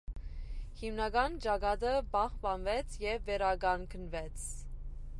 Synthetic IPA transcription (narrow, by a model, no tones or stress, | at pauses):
himnɑɡɑnt͡ʃɑɡɑt̪əbɑχpɑnvɛt͡sʰjɛvːɛɾɑɡɑŋkʰənvɛt͡sʰ